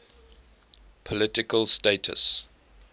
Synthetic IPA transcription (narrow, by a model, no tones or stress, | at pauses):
pʰɔlɪtɪkəlsteɪtʰə̰s